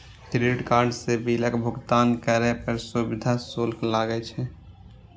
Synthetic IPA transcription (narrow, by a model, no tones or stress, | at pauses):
kɾeɖkaːɾɖsebiləkbʱʊɡt̪aːnkəɾɛpəɾsubɪd̪ʱasolklaːɡɛt͡ʃʰɛ